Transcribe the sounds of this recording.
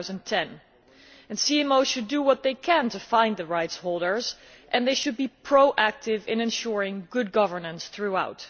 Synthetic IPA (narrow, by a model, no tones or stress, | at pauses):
zə̃ntʰɛ̃n | ɨ̃nsiɛ̃moʊʃɨdəwʌt̪̚ðeɪkʰɨ̃ntɨfãɪ̃nðɨɹaɪtshoʊlˠdə˞zʔɨ̃nðeɪʃɨd̚bipʰɹ̥oʊʔæk̚tɪvɪ̰̃nɨ̃nʃʊɹɪ̃ŋɡʊd̚ɡʌvə˞nə̃nsθɹuaʊt